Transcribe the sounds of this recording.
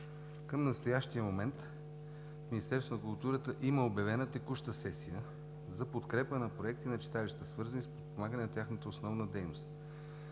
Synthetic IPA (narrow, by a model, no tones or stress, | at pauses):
kəmnɐst̪ojaʃt̪ijəmomɛnt̪ | fminist̪ɛɾsonəkulˠt̪uɾət̪əʔiməobjɐvɛnət̪ɛkuʃt̪əsɛsijə | zɐpot̪kɾɛpənɐpɾoɛk̚t̪inɐt͡ʃi̥t̪alʲiʃt̪əsvɤɾzənispot̪̚pomaɡənɛnɐt̪ʲaxnət̪əosnɔvnəd̪ɛjnost̪